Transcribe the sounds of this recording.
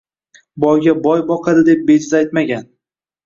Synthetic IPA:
bɒjɡʲabɒjbɒqʰɑd̪ɪd̪e̞p̚bed͡ʒɪzajt̪maɡʲan

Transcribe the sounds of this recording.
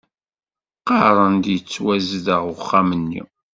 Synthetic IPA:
qɑɾˤənd̪jət͡sːwæzðəʁʊχːamənːḭ

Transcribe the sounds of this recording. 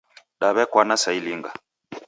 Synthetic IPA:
ɗaβɛkwanasailiŋɡa̰

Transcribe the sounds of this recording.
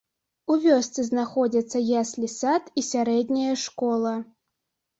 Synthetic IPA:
uvʲɔst̪sɨznaxɔd͡zʲɐt̪sːɐjasʲlʲisat̪isʲaɾɛd̪ʲnʲɐjɐʂkɔlˠɐ

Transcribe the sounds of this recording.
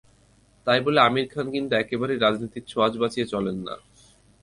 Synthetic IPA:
t̪ajboleamiɾkʰankint̪uɛkebaɾeɾad͡ʑnit̪iɾt͡ɕʰoad͡ʑbat͡ɕiet͡ɕɔlenːa̰

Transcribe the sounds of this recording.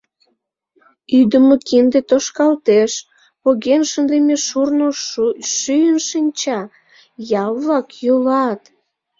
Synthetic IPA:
yd̪əmokind̪et̪oʃkɑlt̪eʃ | poɣenʃənd̪emeʃurnoʃyjənʃənʲt͡ɕɑ | jɑlβɑkjulɑt̪

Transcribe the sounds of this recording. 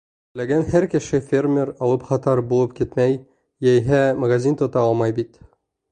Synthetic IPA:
læɡænhæɾkɘ̆ʃɘfʲermʲeɾɒlˠɤpχɒt̪ɑɾbulˠɤpkit̪mæj | jæjɦæmɐɡazʲint̪ŏt̪ɑɒlˠmɑjbit̪

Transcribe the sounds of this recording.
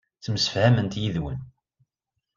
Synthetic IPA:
t͡sːəməsə̥fhæmənt̪jiðwən

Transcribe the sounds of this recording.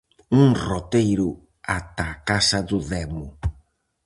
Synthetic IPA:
uŋrot̪ejɾʊ | at̪aːkasɐðʊðɛmʊ

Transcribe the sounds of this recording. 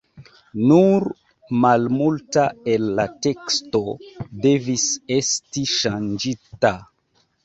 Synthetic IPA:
nuɾ | malmultae̞lːate̞ksto̞de̞vise̞stiʃand͡ʒita

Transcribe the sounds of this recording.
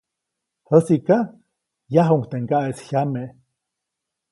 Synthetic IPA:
həsiʔka | jaɦuŋkt̪eŋɡaʔeshʲjame

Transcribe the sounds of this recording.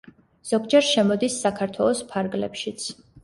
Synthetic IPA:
z̥ɔɡd͡ʒɛɾʃɛmɔd̪isːakʰaɾt̪ʰwɛlˠɔspʰaɾɡlɛ̰pʃit̪sʰ

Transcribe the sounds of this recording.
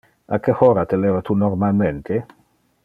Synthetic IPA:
akehoːɾat̪elevat̪unoɾmalment̪e

